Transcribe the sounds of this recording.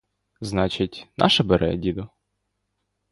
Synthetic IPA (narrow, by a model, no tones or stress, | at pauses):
znɑt͡ʃɪtʲnʔɑ̰ʃɐbeɾʔɛ̰dʲid̪ɔ